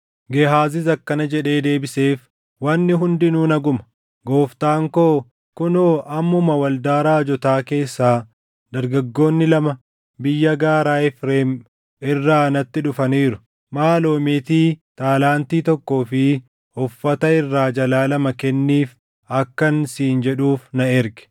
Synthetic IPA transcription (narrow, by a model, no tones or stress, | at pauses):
ɡeɦaːzɪzɐkːɐnɐd͡ʒɛᶑe̞ːd̪e̞ːbɪse̞ːf | wɐnːɪɦʊnd̪ɪnuːnɐɡʊmɐ̥ | ɡo̞ːft̪aːŋko̞ː | kʊnoːʔɐmːʊmɐwɐld̪aːɾaːd͡ʒɔt̪aːke̞ːsːaː | d̪ɐɾɡɐɡːo̞ːnːɪlɐmɐ | bɪjːɐɡaːɾaːɪfɾeːm | ɪrːaːnɐt̪ːɪᶑʊfɐniːɾʊ | maːlo̞ːmeːt̪iːt̪aːlaːnt̪iːt̪ɔkːo̞ːfɪ | hɔfːɐt̪ɐɪrːaːd͡ʒɐlaːlɐmɐkɛnːiːf | ɐkːɐnsiːnd͡ʒɛᶑuːfnɐɪɾɡɛ̥